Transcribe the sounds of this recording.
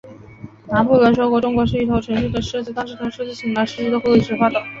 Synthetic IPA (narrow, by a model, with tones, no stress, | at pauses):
na˧˥npu˥˩wə˧˥nʂwo˥kwɔ˥˩ʈ͡ʂʊ˥ŋkwɔ˧˥ʂɻ̩˥˩i˥˩t̪ʰo˧˥ʈ͡ʂʰɤ˧˥ŋʂu˥˩d̪ə˩ʂɤ˥˧t͡ɕi˥˩t̪ɑ˥˧ŋʂɻ̩˥˩t̪ʰa˥ʂɤ˥˧˩t͡ɕi˥˩ɕʰi˧˥ŋla˧˥ʂɻ̩˥˧t͡ɕi˥˩ə˥xo˥˩i˥˩ʈ͡ʂʰɻ̩˧˥fwa˥˩t̪ə˨˩ŋ